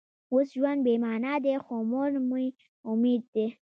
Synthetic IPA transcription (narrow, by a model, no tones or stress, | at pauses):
usʒuwanbemaːnad̪exomoɾmuj | ʊmid̪̚ːe